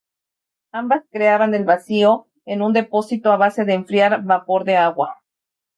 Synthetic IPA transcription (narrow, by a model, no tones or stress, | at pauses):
ambaskɾe̞aβane̞lβasio̞ | e̞nũnd̪e̞po̞sit̪o̞aβ̞ase̞ðe̞ːɱfɾjaɾβapo̞ɾðe̞aɣwa